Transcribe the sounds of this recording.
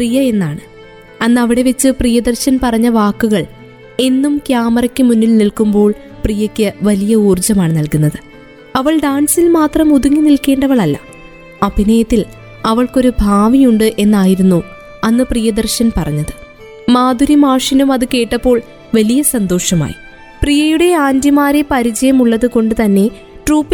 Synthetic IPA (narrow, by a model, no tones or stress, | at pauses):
prijɐe̞nːaːɳɨ | ɐnːɐʋiɽe̞ʋet͡ɕːɨprijɐd̪ɐrɕɐnpɐrɐɲːɐʋaːkːuɣɐɭ | e̞nːumkjaːmɐɾɐkʲːɨmunːilnilkumbo̞ːɭ | prijɐkʲːɨʋɐlijɐuːrd͡ʑɐmaːɳɨnɐlkunːɐðɨ | ɐʋɐɭɖaːnsilmaːt̪rɐmuðuŋːinilke̞ːɳɖɐʋɐɭɐlːɐ̰ | ɐbʱinɐjɐt̪ːil | ɐʋɐɭko̞ɾubʱaːʋijuɳɖɨʔe̞nːaːjiɾunːu | ɐnːɨprijɐd̪ɐrɕɐnpɐrɐɲːɐðɨ | maːd̪ʱuɾimaːʂɐnumɐðɨke̞ːʈːɐpːo̞ːɭ | ʋɐlijɐsɐnd̪o̞ːʂɐma̰ːjḭ | prijɐjuɽe̞aːnd̪jimaːɾepɐɾit͡ɕɐjɐmuɭːɐðɨko̞ɳɖɨt̪ɐnːe̞ | ʈruːpːi